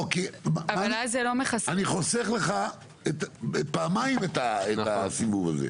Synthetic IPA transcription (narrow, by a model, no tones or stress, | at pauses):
okemaavaalazelomeχasaniχo̞seχle̞χa | et̪epaːmaimet̪aeasivuva̰zḛ